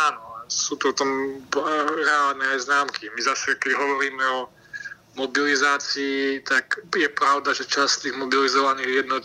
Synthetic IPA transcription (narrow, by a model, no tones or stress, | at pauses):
aːnɔasuːt̪uɔt̪ɔm | ɾɛaːlnɛaznaːmkimizasɛkɛɟɦɔʋɔɾiːmɛɔ | mɔbilizaːt͡siːt̪akjɛpɾaʊd̪aʒɛt͡ʃast̪iːɣmɔbilizɔʋaniːɣjɛd̪nɔt̪